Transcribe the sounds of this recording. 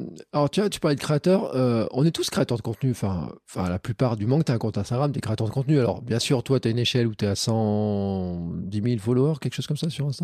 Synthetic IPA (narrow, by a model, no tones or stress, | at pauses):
alɔʁt̪yat̪y̥paʁlɛd̪əkχeat̪œːʁøɔ̰̃nɛt̪uskχeat̪œʁd̪əkɔ̃t̪nyɑ̃fɛ̰̃ɑ̃fɛ̰̃laplypaʁd̪ymɑ̃k̚t̪yɛ̃kɔ̃t̪ɛ̃st̪aɡʁamt̪yɛkχeat̪œʁd̪əkɔ̃t̪nyalɔ̰ʁbjɛ̃syʁt̪wat̪ɥayneʃɛlut̪ɛasɑ̃ | d̪imilfoloaʁkʲɛlkəʃoz̥kɔmsasyʁlɛ̃st̪ɑ̃